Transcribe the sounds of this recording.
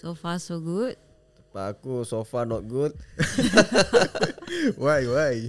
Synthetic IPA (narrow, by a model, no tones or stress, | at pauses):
sofasoɡut̪̚ | t̪apaːkusofanɔt̪̚ɡut̪̚ | wajwaj